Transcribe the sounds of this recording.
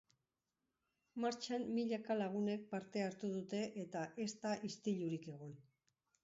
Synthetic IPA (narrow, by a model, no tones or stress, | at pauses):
maɾt͡ʃammiʎakalaɣ̞une̞k̚paɾt̪e̞aɾt̪uðut̪e̞ʔet̪aʔe̞st̪aʔist̪iʎuɾike̞ɣ̞o̞n